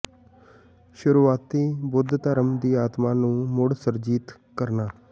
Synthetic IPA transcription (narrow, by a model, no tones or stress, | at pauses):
ʃʊɾuːaːt̪iːbʊd̪ʱt̪əɾəmd̪iːaːt̪maːnũːmʊɽsəɾd͡ʒiːt̪ | kəɾnaː